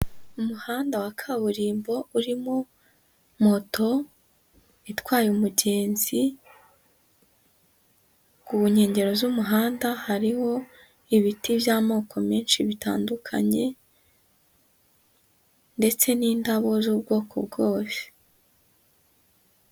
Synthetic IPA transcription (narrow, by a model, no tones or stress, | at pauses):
umuhaːndawakʰaβuɾiːmbo̞uɾimo | mo̞to̞ | itwaːjumuɟe̞ːnzi | ɡuɲe̞ːɲɟe̞ɾo̞zumuɦaːndahaɾiho̞ | iβitivjaːmo̞ːkʰo̞miːnʃiβita̰ːndukʰa̰ɲe̞ | nde̞t͡se̞niːndaβo̞zuːbɡo̞ːkʰo̰bɡoːse̥